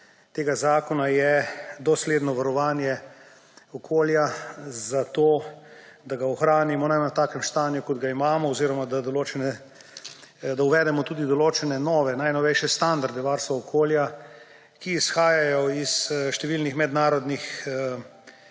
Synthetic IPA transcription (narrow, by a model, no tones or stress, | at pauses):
t̪eːɡazaːkɔnajɛd̪ɔsleːd̪nɔʋaɾɔʋaːnjɛ | ɔkʰoːljazat̪oː | d̪aɡaɔxɾaːnimɔnanat̪aːkɛmst̪aːnjukɔd̪ɡaimaːmɔːziːɾɔmad̪ad̪ɔloːt͡ʃɛnɛ | d̪auʋɛːd̪ɛmɔt̪uːd̪id̪ɔloːt͡ʃɛnɛnɔːʋɛnajnɔʋɛjʃjɛst̪and̪aɾd̪ɛʋaːɾst̪ʋaɔkʰoːlja | kiːsxaːjajɔisʃt̪ɛʋiːlnixmɛd̪naːɾɔd̪nix